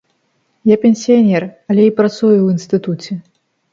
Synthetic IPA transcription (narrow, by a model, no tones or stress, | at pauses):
japʲɛnʲsʲijanʲɛrɐlʲɛipɾat̪sujuwinst̪ɨt̪ut͡sʲɛ